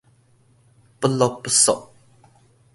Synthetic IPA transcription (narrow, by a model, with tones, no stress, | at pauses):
pəlɔ˨pːəsɔ̰˨ʔ